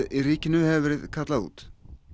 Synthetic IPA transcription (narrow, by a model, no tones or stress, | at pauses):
iriːcɪnʏhɛvvɛɾɪðkʰat̪laðṵːt̪